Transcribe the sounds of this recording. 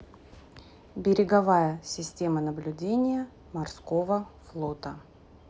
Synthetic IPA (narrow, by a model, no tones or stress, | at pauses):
bʲɪɾʲɪɡɐvajəsʲɪsʲtʲe̞mənəblʲʉdʲenʲɪjə | mɐrsko̞vəflˠo̞t̪ə